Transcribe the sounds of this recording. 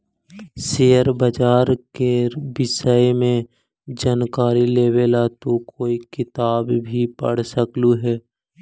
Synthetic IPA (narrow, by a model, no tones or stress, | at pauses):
seːjəɾbəd͡ʒaːɾkebɪsəjmẽ | d͡ʒaːnkaːɾileːwelat̪okoːikɪt̪aːbbʱipə̰ɽ̤səkluɦɛː